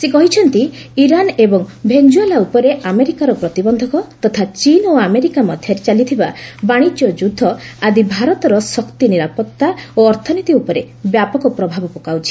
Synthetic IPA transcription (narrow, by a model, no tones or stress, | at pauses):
sekɔɦit͡ʃʰɔnt̪iiɾanebɔŋbʱend͡ʒuelaupɔɾeʔameɾikaɾɔpɾɔt̪ibɔnd̪ʱɔkɔt̪ɔt̪ʰat͡ʃinoameɾikamɔd̪ʱjɔɾet͡ʃalit̪ʰibabaɽ̃id͡ʒjɔd͡ʒud̪ʱːɔad̪ibʱaɾɔt̪ɔɾɔsɔkt̪iniɾapɔt̪ːaoɔɾt̪ʰɔnit̪iupɔɾe | bjapɔkɔpɾɔbʱabɔpɔkawt͡ʃʰi̥